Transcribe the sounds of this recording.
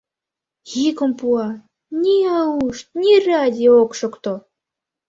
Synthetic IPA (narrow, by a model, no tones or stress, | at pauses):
ɣikŏmpuɑ | nʲiɑuʃt̪̚nʲirad̪ʲiokʃŏkt̪o